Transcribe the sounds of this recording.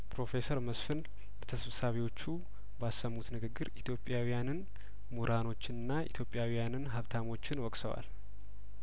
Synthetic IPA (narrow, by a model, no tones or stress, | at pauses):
pʰɾo̞fe̞səɾməsfɨn | lət̪ʰəsfsaβiwo̞t͡ʃːu | basːəmːut̪nɨɡɨɡːɨɾit̪ʰjo̞pʼjawijanɨn | muɾʔano̞t͡ʃːɪnɨnːaʔḭt̪ʰjopʼːjawijanɨnɦaβt̪ʰamo̞t͡ʃːɪnwɔkʼsəwa̰l